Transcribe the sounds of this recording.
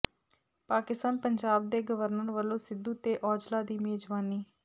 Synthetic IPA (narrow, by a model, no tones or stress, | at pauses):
paːkɪst̪aːnpəɲd͡ʒaːb̚d̪eːɡəʋəɾnəɾʋəlːõːsɪd̪uːt̪eːʔɔːd͡ʒlaːd̪iːmeːd͡ʒʋaːniː